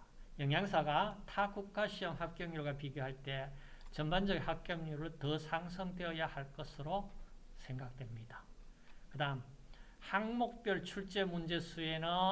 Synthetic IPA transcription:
jʌŋjaŋsʰaɡatʰakukʰːaɕʰiʌmhak̚k͈jʌŋɲoɡapiɡjoɦaɭt͈e̞ | t͡ɕʌnband͡ʑʌɡinhak̚k͈jʌŋɲuɾɯɭtʌsʰaŋs̬ʰʌŋde̞ʌjahaɭk͈ʌsʰɯɾo | sʰe̞ŋɡak̚t͈wemɲidakɯdaɯm | haŋmok̚p͈jʌɭt͡ɕʰuɭt͡ɕ͈e̞mund͡ʑe̞sʰue̞nɯ

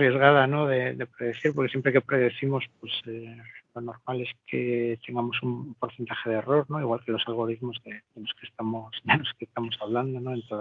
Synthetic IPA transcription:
rie̞zɣaðano̞ðeðe̞pɾe̞ðeθiɾp̬oɾkeje̞mpɾeke̞pɾe̞ðe̞θimo̞spwe̞selo̞no̞ɾmale̞skʰet̪eŋɡamo̞sumpo̞ɾθe̞nt̪aχe̞ð̞ero̞ɾno̞iɣwalkelo̞salɣ̞o̞ɾiðmo̞zðeðelo̞skest̪amosd̪elo̞skest̪amo̞saβland̪onoent̪oð

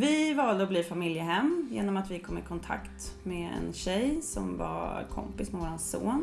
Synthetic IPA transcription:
vɪvɑːld̪əɔbliːfamɪljəɦɛmːjeːnɔmat̪vɪkʰɔmːɪkʰɔnt̪ʰa̰kt̪meɛ̰nɕɛjsɔmva̰ɾkʰɔ̰mpɪsmɛvoːɾanso̰ːn

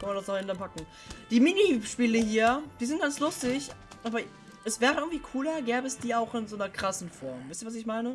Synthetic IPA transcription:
kʰanmandasnɔɪntanpakŋ̩ | d̥iːmɪniʃpiːləhiːɐd̥iːzɪnt̚ɡ̥anslʊstɪçʔaːbɐ | ɛsv̥ɛːʁəʔɪɡŋ̩tv̥iːkʰuːlɐɡɛːbəɛsd̥iːaʊxɪnzoːnɐkʁ̥asn̩fɔɐmvaɪstiːvas̬ɪçmaɪnə

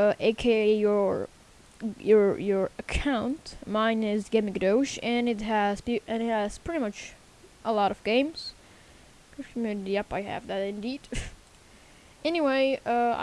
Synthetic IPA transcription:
ʔeɪkʰeɪjə˞ | jə˞jə˞ɨkʰãʊ̃ntmãɪ̃nɪzɡɛmɨkdoʊʃɨ̃nɨt̚ɦɨz̥ɨ̃ntɨz̥pʰɹ̥ɪɾimʌt͡ʃ | ʔəlɔɾʌvɡẽɪ̃mz̥ | kʌ̥kʰmjʉnɨɾiʌpaɪɨ̰vðɨɾɨ̃ndid̥ | ɛniweɪʌa̰

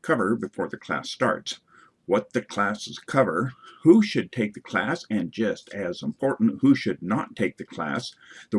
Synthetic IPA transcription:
kʰʌvə˞bɨfɔɹðɨkʰl̥æ̰stɑ̰ɹts | wʌt̪̚ðɨkʰl̥æsɨz̥kʰʌvə˞huʃɨd̚tʰeɪk̚ðɨkʰl̥æsɨ̃nd͡ʒʌstʰɨzə̃m̩pʰɔɹʔn̩t̚huʃɨdⁿnətʰeɪk̚ðɨkʰl̥æ̰sðə

